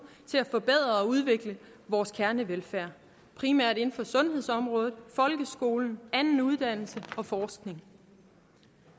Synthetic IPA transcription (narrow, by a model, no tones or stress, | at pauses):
t͡sʰe̝læfɒ̽b̥eð̞̰ˠʁɐɒ̽uð̞ˠʋe̝ɡ̥lə | ʋɒːskʰæɐnəʋelfæɐ̰ | pʰʁimæɐ̰de̝nn̩fɒ̽sɔ̽nhe̝ð̞̰ˠsɒ̽mʁɔ̽ːðˠð̩ˠfɒ̽lɡ̥əsɡ̥o̝̰ːln̩ænn̩uð̞ˠd̥æn̰l̩səɒ̽fɒːsɡ̥ne̝ŋ